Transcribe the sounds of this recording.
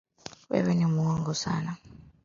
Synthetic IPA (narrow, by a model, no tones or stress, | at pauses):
wɛ̰βɛnemuwɔŋɡɔsa̰ːna